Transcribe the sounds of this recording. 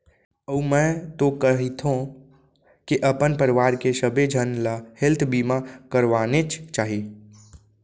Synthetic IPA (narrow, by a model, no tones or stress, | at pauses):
əumɛ̃t̪okəɦit̪ʰɦõ | kiʔəpənpəɾiʋaɾkesəbed͡ʒʱənlahelt̪ʰbimakəɾʋanet͡ʃʰt͡ʃaɦi